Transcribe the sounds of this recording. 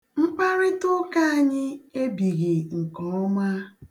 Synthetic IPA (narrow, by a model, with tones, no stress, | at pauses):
ŋ͡m̩˦k͡pa˦ɾɪ˦tʊ˦ka˦a˦˨ɲɪ˦e˦bi˨ɣɪ˨ŋ̩˨kɔ˨˦ɔ˦ma˦